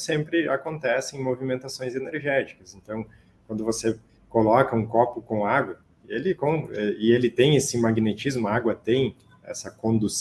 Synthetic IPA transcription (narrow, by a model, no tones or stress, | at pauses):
sẽmpɾɪakõnt̪ɛsɪẽj̃movimẽnt̪asõj̃zeneɾʒɛt͡ʃi̥kɐsẽnt̪ɐ̃w̃ | kwɐ̃nd̪ʊvose | kolɔkɐũkɔpʊkõaɡwɐ | elɪkõɪelɪt̪ẽj̃esɪmaɡnet͡ʃizmʊaɡwɐt̪ẽj̃ | ɛ̰sɐkõnd̪us